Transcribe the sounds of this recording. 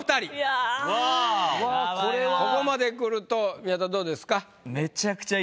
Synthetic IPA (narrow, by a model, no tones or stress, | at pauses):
ɯ̟̥t̪aɾʲia | oɾeko̞ko̞mad̪e̞kɯ̟ɾɯ̟t̪o̞mʲiat̪ad̪o̞ːd̪e̞sɨ̥ka | me̞t͡ɕakɯ̟̥t͡ɕa